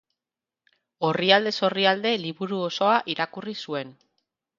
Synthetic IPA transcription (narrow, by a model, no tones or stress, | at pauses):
o̞riald̪e̞so̞riald̪e̞liβuɾuoso̞aʔiɾakurisue̞n